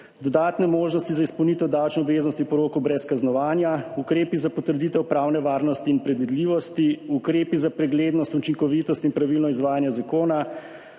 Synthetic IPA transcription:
d̪ɔd̪aːt̪nɛmoːʒnɔst̪izaispɔwnit̪ɛwd̪awt͡ʃnɔːbʋeːznɔst̪inpɔɾoːkɔwbɾɛskaznɔʋaːnjaukɾeːpizapɔt̪əɾd̪it̪ɛwpɾawnɛʋaːɾnɔst̪iːnpɾɛd̪ʋid̪liʋɔst̪iukɾeːpizapɾɛɡleːd̪nɔst̪ut͡ʃiŋkɔʋit̪ɔst̪inpɾaʋilnɔizʋaːjanjazakoːna

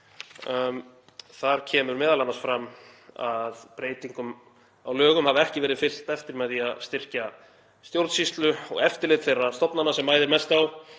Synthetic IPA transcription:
θaɾ̥cʰɛːmʏɾmɛːðalanːansfɾamːa̰ðpɾeːjt̪iŋkʏm | a̰wlœːɣʏmhavaɛhcɪvɛːɾɪðfɪl̥t̪ɛft̪ɪɾmɛðiaðst̪ɪr̥ca | st̪jowɾt̪sist̪lʏɔ̰ɣɛft̪ɪɾleːðt̪θfejrːast̪ɔpnanasɛmːaːjðɪɾmɛst̪aw

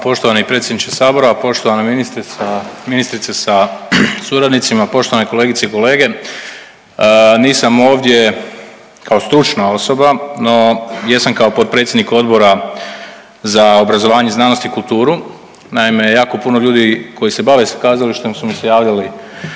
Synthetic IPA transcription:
po̞ʃt̪oanaipɾe̞t̪sjed̪nit͡ʃesaːbo̞ɾoapo̞ʃt̪o̞ʋanaminist̪ɾisaminist̪ɾit̪sesasuɾad̪nit̪simapo̞ʃt̪o̞ʋaneko̞le̞ɡit̪seiko̞le̞ːɡe̞ | niːsamo̞ːʋd̪je̞ | kʰao̞st̪ɾut͡ʃnao̞so̞bano̞jesamkaopo̞t̪̚pɾet̪sʲjed̪niko̞d̪bo̞ɾa | zaobɾazo̞ʋaːɲeznaːno̞st̪iikult̪uːɾu | naime̞jaːko̞puno̞ʎuːd̪iko̞jise̞baʋe̞sḁkaːzaliʃt̪omsumisejaːʋʎali

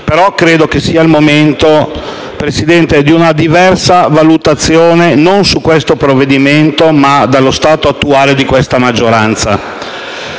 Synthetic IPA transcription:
peɾɔkɾeːd̪okesːiːailmoment̪o | pɾesid̪ɛnt̪ed̪iunad̪ivɛrsavalut̪at̪sːjoːnenonsukwest̪opɾovːed̪iment̪omad̪alːost̪aːt̪oat̪ːuaːled̪ikwest̪amad͡ʒːoɾant̪sa̰

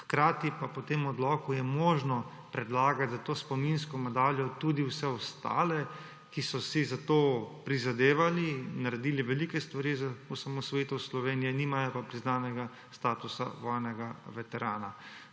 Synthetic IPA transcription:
xkɾaːt̪ipapɔt̪eːmɔd̪lɔːkujɛmoːʒnɔ | pɾɛd̪laːɡat̪zat̪oːspɔminskɔmɛd̪aːljɔt̪ud̪iwsɛɔst̪a̰ːlɛ | kisɔsizat̪oːpɾizad̪eːʋalinaɾɛd̪iːliʋɛliːkɛst̪ʋaɾizausamɔsʋɔjit̪ɔslɔʋeːnijɛniːmajɔpapɾiznaːnɛɡa | st̪aːt̪usa̰ʋɔːjnɛɡaʋɛt̪ɛɾaːna

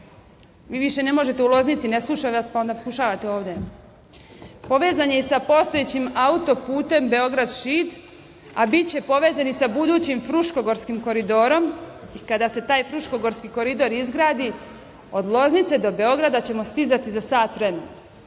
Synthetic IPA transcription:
ʋiːʋiʃe̞ne̞mo̞ʒe̞t̪e̞ulˠo̞znit̪sine̞slˠuʃaʋaspaond̪apo̞kuʃaːʋat̪eo̞ːʋd̪e̞ | po̞ʋeːzaɲeisapo̞st̪o̞et͡ɕimaut̪o̞puːt̪e̞mbe̞o̞ɡɾad̪ʃit̪ | abit̪t͡ɕe̞po̞ʋe̞ːzanisabud̪uːt͡ɕimfɾuʃko̞ɡo̞ɾskimko̞ɾid̪o̞ːɾo̞mikad̪ase̞t̪aːjfɾuʃko̞ɡo̞ɾskiko̞ɾid̪o̞ɾizɡɾaːd̪i | o̞d̪lˠo̞znit̪se̞d̪o̞be̞o̞ɡɾad̪at͡ɕe̞mo̞st̪izat̪izasaːt̪ʋɾeme̞no

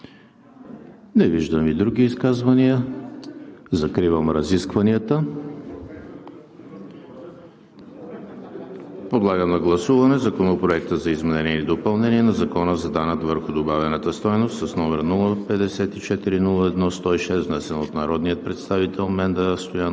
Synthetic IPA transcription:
nɛviʒd̪əmid̪ɾuɡ̟ʲiːskazvəniə | zɐkɾivəmɾɐziskvɐniət̪ə | pod̪lˠaɡəmnɐɡlˠɐsuvɐnɛzɐkonopɾoɛk̚t̪əzɐizmɛnɛniɛlid̪opɐlˠnɛniɛnɐzɐkɔnəzɐd̪anət̪vəɾxʊd̪obavɛnət̪əst̪ɔjnost̪sɐsnɔmɛɾnulˠəpɛd̪ɛsɛt̪it͡ʃɛt̪iɾinulˠəɛd̪nɔst̪ɔiʃɛst̪vnɛsɛnot̪nɐɾɔd̪nijət̪̚pɾɛt̪st̪avit̪ɛlˠmɛnd̪əst̪oja

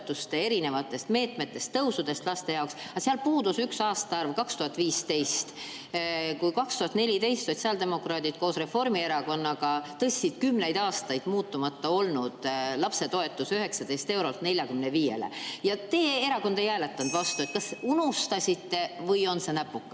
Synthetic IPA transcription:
t̪ːˑust̪e̞e̞ɾine̞vɑt̪ːˑe̞st̪me̞ːt̪me̞t̪ːˑe̞st̪ːɤwsud̪̥e̞st̪lɑst̪e̞jɑoksɑseɑlpuːd̪usyksɑːst̪ɑɑrvkɑkst̪uhɑt̪ːˑviːst̪e̞jst̪ | kujkɑkst̪uhɑt̪ne̞lʲit̪e̞jst̪so̞t̪ʲsiɑld̪̥e̞mo̞kɾɑːd̪id̪̥̚ko̞ːsre̞fo̞rmie̞ɾɑko̞nːɑɡɑt̪ɤsʲːid̪̥kymːne̞jd̪̥ɑːst̪ɑjd̪̥muːt̪ːumɑt̪ːɑo̞lnud̪̥lɑpse̞t̪o̞e̞t̪ːˑusyɦe̞ksɑd̪e̞jst̪e̞wɾo̞lt̪ne̞lʲjɑkymneviːje̞̰lḛjɑt̪e̞ːe̞ɾɑko̞nd̪ejæːlet̪ːˑɑnd̪̥vɑst̪ue̞t̪̚kɑsunust̪ɑsʲit̪ːe̞vɯjo̞nse̞næpːˑukːˑɑ

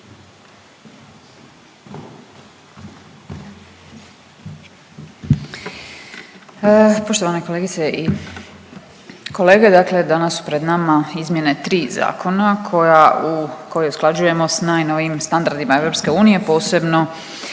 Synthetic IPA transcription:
poʃt̪oʋaneko̞leɡit̪seʔi | ko̞le̞ːɡe̞d̪akle̞d̪anasːu̥pɾed̪namaizmje̞ne̞t̪ɾiːza̰ːkʰo̞nakʰoauko̞jiusklˠad͡ʒuje̞mo̞snaːjno̞ʋimst̪and̪aɾd̪imae̞ʋvɾo̞pske̞uːnije̞po̞ːse̞bno̞

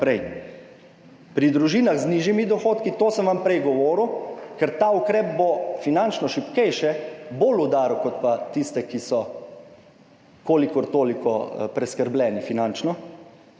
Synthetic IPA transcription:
pɾɛj | pɾid̪ɾuʒiːnaɣzniʒjimid̪ɔxoːt̪kit̪oːsəmʋampɾɛjɡɔʋoːɾukɛɾt̪aːukɾɛːp̚bofinant͡ʃnɔʃipkɛjʃɛbolud̪aːɾukɔt̪pat̪ist̪ɛkisɔ | koːlikɔɾt̪oːlikɔpɾɛskəɾblʲɛːnifinant͡ʃnɔ

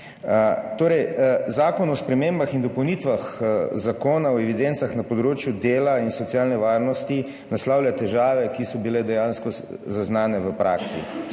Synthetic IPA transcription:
t̪oːɾɛjzaːkɔnɔspɾɛmembaxind̪ɔpəwnit̪ʋaxzakoːnaɔɛʋid̪ent̪saxnapɔd̪ɾoːt͡ʃjud̪eːlainsɔt̪sijaːlnɛʋaːɾnɔst̪i | naslawlʲjat̪ɛʒaːʋɛkisɔbilɛd̪ɛjanskɔ | zaznaːnɛʋəpɾa̰ːksḭ

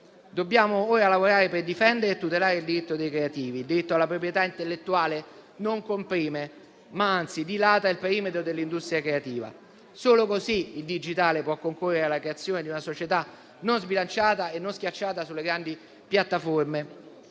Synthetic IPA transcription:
d̪obːjaːmooːɾalavoɾaːɾeperd̪ifɛnd̪eɾeːt̪ːut̪elaːɾeild̪iɾit̪ːod̪ejkɾeat̪iːvild̪iɾit̪ːoalːapɾop̬ɾjet̪aint̪elːet̪ːuaːlenoŋkompɾiːme | maant̪sid̪ilaːt̪ailpeɾiːmet̪ɾod̪elːind̪ust̪ɾjakɾeat̪iːva̰ | soːlokosiild̪id͡ʒit̪aːlepwɔkːoŋkurːeɾealakɾeat̪sːjoːned̪iunasot͡ʃet̪a | nonzbilant͡ʃaːt̪aenːonskʲjat͡ʃːaːt̪asulːeɡɾand̪i | pjat̪ːaforme

